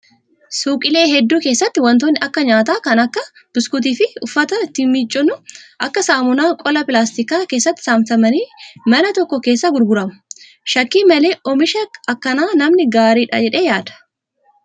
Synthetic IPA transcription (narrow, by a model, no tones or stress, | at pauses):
suːkʼɪle̞ːɦɛd̪ːuːkeːsːɐt̪ːɪwɐnt̪̬oːnːɪʔɐkːɐɲaːt̪aːkɐnɐkːɐ | b̥ʊskʊt̪̬iːfɪʊfːɐt̪ɐt̪ɪmːit͡ʃʼːʊnʊʔɐkːɐsaːmʊnaːkʼɔlɐpɪlaːst̪ɪkaːke̞ːsːɐt̪ːɪ̥saːmt̪ɐmɐniːmɐnɐt̪ɔkːɔke̞ːsːaɡʊɾɡʊɾɐmʊ̥ | ʃɐkːiːmɐle̞ːʔɔmɪʃɐkɐkːɐnaːnɐmnɪɡaːɾiːᶑɐ̰d͡ʒɛᶑe̞ːjaːd̪̥ɐ̥